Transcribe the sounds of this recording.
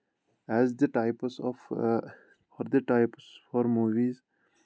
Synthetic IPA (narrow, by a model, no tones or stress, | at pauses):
ɛzd̪əʈaɪpsɔf | fɔɾd̪əʈaɪpsfɔɾmuːʋiz